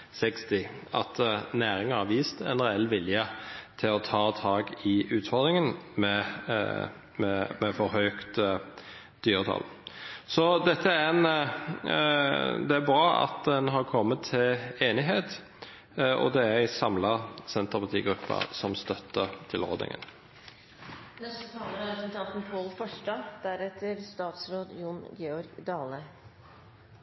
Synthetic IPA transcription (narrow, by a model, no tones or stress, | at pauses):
sɛkst̪ɪʔɑt̪næːɾɪŋɑhɑʋiːst̪ɛ̰nɾɛɛlːʋɪljət̪ʰɪlɔt̪ʰɑːt̪ʰɑːɡɪʉːt̪fɔɾd̪ɾɪŋənmɛ | mɛmɛfɔɾɦøːkt̪ | d̪̥yːɾət̪ʰɑ̰l | sɔd̪ɛt̪ːəæɾɛn | d̪ɛæɾbɾɑːɑ̰t̪d̪ɛnɦɑɾkʰɔmːət̪ʰːɪleːnɪɦeːt̪ | ɔ̰d̪ɛæɪsɑmlɑsɛnt̪əʁpʰɑt̪ʰiːɡɾʉpːɑ̰sɔmst̪œt̪ːət̪ʰɪlo̰ːd̪nɪ̰ŋə̰n | nɛst̪ət̪ʰɑːləɾɛpɾɛsɛnt̪ʰɑnt̪n̩pʰoːlfɔʂʈɑd̪̥æɾɛt̪ːəɾst̪ɑːt̪sɾoːd̪junɡɛɔɾɡd̪ɑːlə